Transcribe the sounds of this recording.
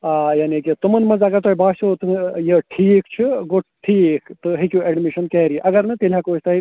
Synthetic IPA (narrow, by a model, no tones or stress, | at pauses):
aːjaːnikit̪umɐnmɐnzɐɡɐɾt̪oɦibaːsot̪ujeʈʰiːkt͡ʃʰiɡoʈ̚ʈʰiːkt̪ɨɦikjueɖmiʃɐnkɛːɾiʔɐɡɐɾnɐt̪ilʲjakoːt͡ʃʰt̪ɐɦi